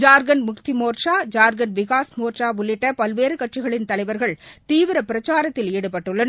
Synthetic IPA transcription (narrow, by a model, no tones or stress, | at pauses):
d͡ʒaːɾɡɐnmʊkt̪ɪmoːɾʂaːd͡ʒaːɾɡɐnʋɪɣaːsmoːɾʂaːʊɭːɪʈːɐpɐlʋeːɾɯkɐʈt͡ʃɪɣɐɭɪnt̪ɐlɐɪʋɐɾɣɐɭt̪iːʋɪɾɐpɪɾɐt͡ʃaːɾɐt̪ːɪleːɽɯpɐʈːɯɭːɐn